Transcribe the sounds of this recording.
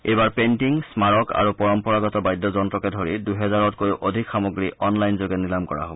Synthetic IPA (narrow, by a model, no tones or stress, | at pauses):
ejbaɹpentiŋsmaɹɔkʰa̰ɹupɔɹɔmpɔɹaɡɔtɔbajdːɔzɔntɹɔkɛdʱoɹiduɦɛzaɹɔtkojʔodʱikxamoɡɹiʔɔnlajnzoɡɛnilamkɔɹa̰ɦobɔ